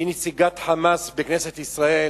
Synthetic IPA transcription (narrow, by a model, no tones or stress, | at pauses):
inet͡siɡat̪ħamasbekneset̪isʁae